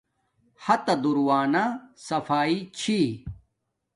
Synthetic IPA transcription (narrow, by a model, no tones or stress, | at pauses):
hɐt̪ɐd̪uɾwaːnasɐfaːit͡ɕʰi